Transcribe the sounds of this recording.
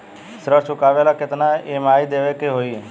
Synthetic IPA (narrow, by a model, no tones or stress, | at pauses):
sɾət͡ʃʰʊkaːʋelakɪt̪naemaːid̪eːʋekeɦoːiː